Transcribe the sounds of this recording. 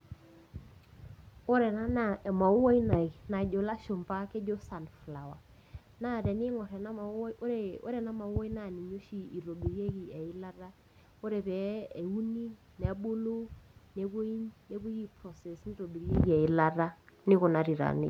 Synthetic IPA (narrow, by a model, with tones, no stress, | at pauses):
o˦ɾɛ˨na˦na˨ma˨u˦wa˦i˦na˨i˨na˨d͡ʒo˨la˦ʃo˨mpa˦ke˦d͡ʒo˦sa˨nfla˨wa˨ | na˦˨ɾɛ˨nɪ˦ŋɔ˨ɾɛ˨na˦ma˨˦ɾe˨o̰˦ɾɛ˨na˦ma˨u˦wɔ˦i˦na˨ni˨ɲo˦ʃi˦˨i˨ɾo˨ɓi˨ɾje˦ki˨a˨i˦la˦ɾa˦ | o˦ɾe˨pɛ˨˦e˨u˦ni˦ | nɛ˨a˦ɓo˦lo˦ne˨ko˦i˦ɲne˦ku˦ji˦pɾɔ˨sɛ˨sni˦ɾo˨ɓi˨ɾje˦ki˨ɛ˨i˦la˦ɾa˦nɪ˦kɔ˨na˨ɾi˨ɾa̰˨nḛ˦